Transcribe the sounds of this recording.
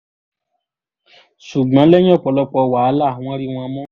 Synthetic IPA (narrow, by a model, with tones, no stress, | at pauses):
su˨ɡ͡bã˨˦lɛ˦j̃ɔ̃˦˨k͡pɔ˧˨lɔ˧k͡pɔ˧˨wa˨˦lã˦˨˦ɔ̃˦ɾi˦w̃ɔ̃˧mɔ̃˦